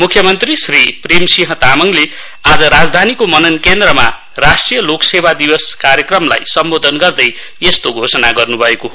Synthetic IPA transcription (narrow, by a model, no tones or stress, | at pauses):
mukʰjʌmʌnt̪risripremsiɦʌt̪amʌŋle | ad͡zʌɾad͡zd̪ʱanikomʌnʌnkend̪rʌma̰ | rasʈrijʌloksebad̪ibʌskaɾjʌkrʌmla̰jsʌmbod̪ʱʌnɡʌrd̪ʌj | est̪oɡʱosʌnaɡʌrnubʱʌekoɦo